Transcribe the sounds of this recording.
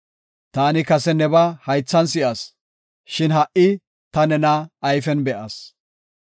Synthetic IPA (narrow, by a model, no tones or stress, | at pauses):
t̪aːnɪkɐsɛnɛbɐhɐjt͡sːɐnsɪʔɐs | ʃɪnɦɐʔɪ | t̪ɐnɛnɐːjfɛnbɛʔɐs